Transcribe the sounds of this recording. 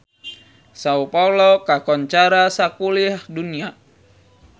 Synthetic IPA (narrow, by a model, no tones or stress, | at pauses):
saupɔlɔkakɔɲt͡ʃaɾasakulihdunia